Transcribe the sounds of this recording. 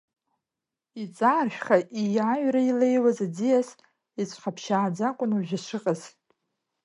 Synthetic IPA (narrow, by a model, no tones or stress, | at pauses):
it͡sʼaːrʃᶣχaʔijaɥrailejwazad͡zijas | it͡sʷʰʼχapʰʃaːd͡zakʷʼʊnuʒᶣɪʂɨqʼaz̥